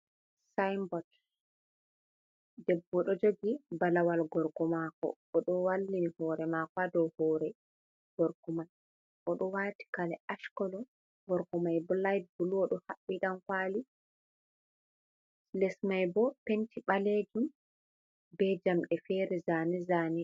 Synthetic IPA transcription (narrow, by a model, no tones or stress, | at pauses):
sajmbɔt | dɛbːɔɗɔd͡ʒoɡibalawalɡɔɾɡɔmakɔ̰ʔɔɗɔwalːinihɔːɾɛmakɔadɔwhɔːɾɛ | ɡ̥ɔɾkɔman | ʔɔɗɔwaːti̥kalɛʔaʃkɔlɔ | ɡɔɾkɔmajbɔlajd̚ɡulwɔɗɔhaɓːiɗamkali | lɛsmajbɔpentʰiɓaled͡ʒum | bɛd͡ʒamɗɛfɛɾɛzaːnizani